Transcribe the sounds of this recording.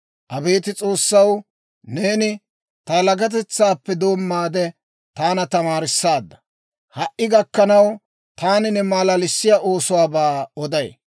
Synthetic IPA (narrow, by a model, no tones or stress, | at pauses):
ʔɐbe̞ːt̪ɪt͡sʼo̞ːsːɐw | neːnɪ | t̪ɐlɐɡɐt̪̬ɛt͡sːaːpːɛd̪o̞ːmːaːd̪ɛ | t̪aːnɐt̪ɐmaːɾɪsːaːd̪ːɐ̥ | hɐʔʔːɪɡɐkːɐnɐw | t̪aːnɪnɛmaːlalɪsːɪjaʔo̞ːsʊwaːbaːɔd̪ɐj